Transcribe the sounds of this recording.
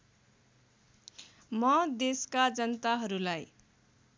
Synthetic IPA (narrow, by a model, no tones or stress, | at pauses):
mʌd̪eskad͡zʌnʌt̪aɦʌɾulaj